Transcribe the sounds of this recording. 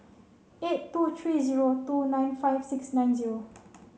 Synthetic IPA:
etːut̪ʰɹiːziɹotunãj̃nfajvsiksnãj̃nziɹo

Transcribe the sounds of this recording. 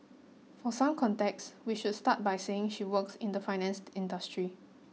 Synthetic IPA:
fɔsãmkʰɔ̃ntɛkswiʃudstat̚bajseɪ̃ŋʃiwəksɪ̃ndəfaɪnɛ̃nstɪ̃ndəstɹi

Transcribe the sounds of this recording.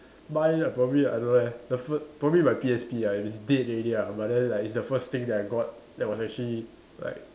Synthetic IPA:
baɪ̃napɹɔbəbiajdõnlakdəfəspɹɔbəbmimaɪpiɛspiait̚wɔsdet̚ɹeliabaʔ̚dɛ̃nlaɪkitsdəfəst̪ɪ̃ŋdɛtaɪɡɔt̚ | dɛt̚wɔsɛk̚t͡ʃəli | la̰ɪk̚

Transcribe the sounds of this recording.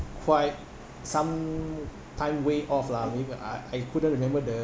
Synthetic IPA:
kʰwaɪt̚ | sãm | tʰãɪ̃mweʔɔflamebia̰ajkʰudə̃nt̚ɹimɛ̃mbədə

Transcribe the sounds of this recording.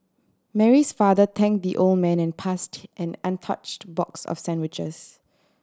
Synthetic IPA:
mɛɹisfaðət̪ʰɛ̃ŋk̚d̪iʔold̚mɛ̃nɛ̃npʰastʔɛ̃nãntʰa̰t͡ʃtbɔksɔ̰fsɛ̃ndwɪt͡ʃə̰s

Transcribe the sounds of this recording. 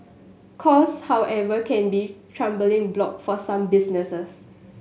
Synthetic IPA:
kʰɔshawʔɛvəkʰɛ̃nbitʰɹãmbəlɪ̃ŋblɔk̚fɔsãmbisnəsəs

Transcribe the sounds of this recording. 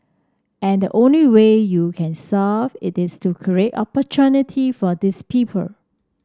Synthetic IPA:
ʔɛ̃ndəʔõnliwejukʰɛ̃nsavɪtɪstʰukʰɹietɔ̰pɔt͡ʃʰunɪtʰifɔdɪspʰipʰə̰l

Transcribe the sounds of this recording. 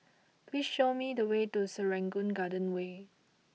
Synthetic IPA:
plisʃomidəwetusəɹɛ̃ŋɡũnɡadə̃nwe

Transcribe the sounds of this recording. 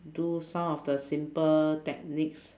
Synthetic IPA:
dusãmɔfdəsĩmpətɛk̚nik̚s

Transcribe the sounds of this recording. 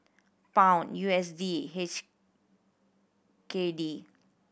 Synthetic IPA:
pãʊ̃njuɛsdiɦet͡ʃ | kedi

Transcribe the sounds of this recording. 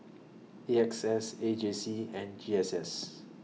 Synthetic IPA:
eɛksɛsed͡ʒẽnsiɛ̃nd͡ʒiɛsɛs

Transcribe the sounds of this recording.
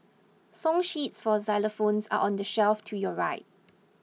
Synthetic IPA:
sɔ̃ŋʃitsfɔzaləfõnsa̰ʔɔ̃ndəʃɛlftʰujɔɹaɪt̚

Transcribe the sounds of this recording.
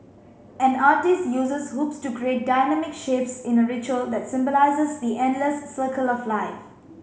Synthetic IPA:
ɛ̃naːtɪstjuzəshopstukɹiet̚daɪnɛmɪkʃepsɪ̃nəɹɪt͡ʃuəld̪ɛtsɪ̃mbɔlaɪzəsd̪iʔɛ̃ndləsːəkʰəlɔflaɪf

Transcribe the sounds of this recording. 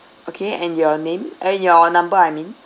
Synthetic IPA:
ʔokʰeɛ̃njɔnẽmənjɔnãmbəajmĩn

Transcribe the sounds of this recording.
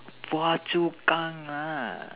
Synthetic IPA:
wat͡ʃukʼaŋa

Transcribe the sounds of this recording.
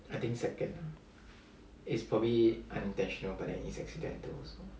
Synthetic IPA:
aɪt̪ĩŋksɛkə̃na | ɪtspʰɹɔbliʔãnĩntɛ̃nʃɔ̃nəlbadɛ̰̃ʔĩsɛ̰ksidɛ̰̃ntəlso

